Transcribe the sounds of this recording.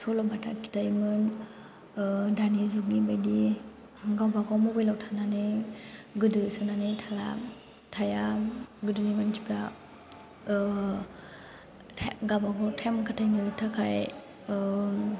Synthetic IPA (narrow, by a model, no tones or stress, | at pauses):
sɔlɔbatʰa̰kʰi̥tajmɯn | danizuk̚nibajdi | ɡawbaɡawmɔbɔjlawtʰanane | ɡɯdɯsɯnanetʰala̰ | tʰajaɡɯdɯnimɯntʰi̥pɾa | ɡabaɡɔtʰemkʰatʰajnɯtʰakʰaj